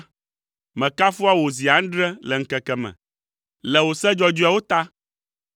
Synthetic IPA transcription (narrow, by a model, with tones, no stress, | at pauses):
mɛ̃˨ka˦fu˦a˦wo˨zi˨a˨ŋ̩˦ɖɾɛ˦lɛ˨ŋ̩˦kɛ˨kɛ˨mɛ̰̃˨ | lɛ˨wo˨sɛ˦d͡ʒɔ˦d͡ʒu˦a˦wo˦t̪a˦